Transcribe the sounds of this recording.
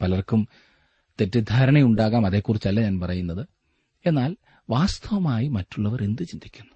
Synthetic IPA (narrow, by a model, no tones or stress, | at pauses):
pɐlɐrkum | t̪e̞tːid̪ʱaːɾɐɳɐjuɳɖaːɣaːmɐðe̞ːkːurit͡ɕːɐlːɐɲaːnpɐrɐjunːɐðɨ | e̞nːaːl | ʋaːst̪ʰɐʋɐmaːjimɐtːuɭːɐʋɐɾend̪ɨt͡ɕind̪ʱikʲːunːu̥